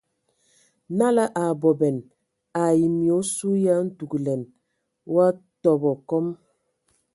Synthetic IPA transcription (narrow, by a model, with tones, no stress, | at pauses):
na˦la˦ʔa˨bɔ˨bɛ˨n | a˨ji˨mi˨o˨˦su˦ja˦n̩˦tu˨ɡlɛ˨n | wa˦tɔ˨bɔ˨kɔ˦m